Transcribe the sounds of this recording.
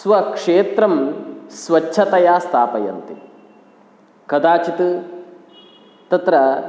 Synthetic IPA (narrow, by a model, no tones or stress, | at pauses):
sʋɐkʂeːt̪ɾɐmsʋɐt͡ʃːʃʰɐt̪ɐjaːst̪ʰaːpɐjɐ̰nt̪i | kɐd̪aːt͡ʃit̪ɨ | t̪ɐt̪ɾɐ